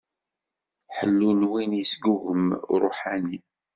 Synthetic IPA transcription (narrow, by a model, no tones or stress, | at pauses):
ħəlːunwinəsɡuɣəmɾˤoħani